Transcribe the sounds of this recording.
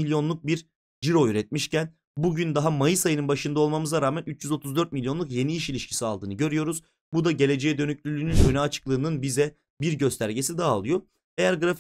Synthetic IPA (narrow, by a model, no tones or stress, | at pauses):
ilʲjo̞nlˠuk̚biɾ | d͡ʒiɾo̞yɾɛt̪̚miʃcæn | buɟynd̪aɦamajɯsajɯnɯnbaʃɯnd̪ao̞lˠmamɯzaɾaːmænyt͡ʃd͡ʒyzo̞t̪ʰuzd̪ø̞ɾt̪̚milʲjo̞nˠukje̞niiʃilʲiʃcʰi̥sialˠd̪ɯːnɯɟø̞ɾyjo̞ɾuz | bud̪aɟe̞lʲe̞d͡ʒɛɛd̪ø̞nyclʲylʲyːnynønɛat͡ʃʰɯ̥klˠɯːnɯnbizɛ | biɾɟø̞st̪ʰæɾɟe̞sid̪aːolˠujo̞ | e̞jæɾɡɯɾaf